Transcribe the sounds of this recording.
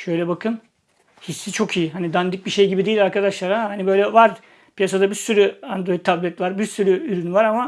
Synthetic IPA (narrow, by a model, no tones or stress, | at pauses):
ʃø̞jlʲɛbakʰɯn | hisːit͡ʃʰo̞kʰijiɦanid̪and̪ɯk̚biʃe̞jɟibid̪ejilʲaɾkʰad̪aʃlˠaɾahanibø̞jlʲɛvaɾ | pʰijasad̪abiɾsyɾyand̪ɾo̞it̪ːʰablʲɛt̪vaɾbiɾsyɾyyɾynvaɾama